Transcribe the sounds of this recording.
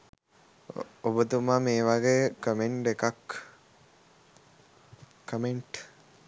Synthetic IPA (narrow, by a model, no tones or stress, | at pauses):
obət̪umameːʋaɡeːkəmeɳʈekak | kəmeɳʈ